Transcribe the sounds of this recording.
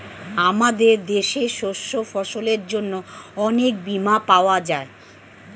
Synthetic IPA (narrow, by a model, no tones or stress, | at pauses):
amad̪eɾd̪eʃeʃoʃːofɔʃoleɾd͡ʑonːoɔnek̚bimapaoad͡ʑae